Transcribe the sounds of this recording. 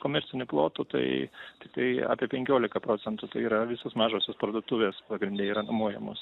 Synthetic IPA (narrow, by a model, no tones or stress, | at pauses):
koːmʲɛɾʲt͡s̪ʲɪnʲʊplˠoːt̪ʊt̪ɐ̰ɪt̪ʲɪk̚t̪ɐɪɑ̰ːpʲiɛpʲɛŋʲkʲoːlʲɪkɐpɾoːt͡ssʲɛnt̪ʊt̪ɐɪiːɾɐʋʲɪsoːsmɑːʒoːsʲoːspɾɐd̪ʊt̪uːʋʲeːspɐɡɾʲɪnʲdʲeːiːɾɐnʊmuɔjɛ̰mo̰ːs